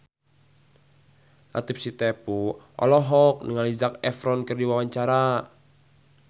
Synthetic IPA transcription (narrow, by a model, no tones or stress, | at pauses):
lʔa̰t̪ipsit̪ɛpuʔɔ̰lɔɦɔk̚nəŋalizakɛfɾɔnkərdiwawaɲt͡ʃaɾa